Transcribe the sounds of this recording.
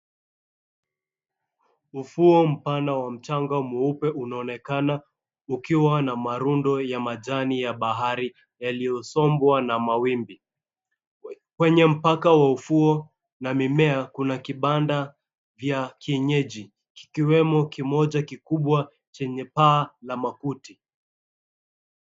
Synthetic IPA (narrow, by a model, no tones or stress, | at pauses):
ufuɔm̩panawam̩t͡ʃaŋɡamuupɛʔunaɔnɛkana | ukiwanamaɾundɔjamaʄanijaɓaɦaɾi | jalijɔsɔmbwanamawimbi | kwɛɲɛm̩pakawaufuɔ | namimɛakunakiɓanda | vjakiɛɲɛʄi | ki̥kiwɛmɔkimɔʄakikuɓwa | t͡ʃɛɲɛpaːlamakuti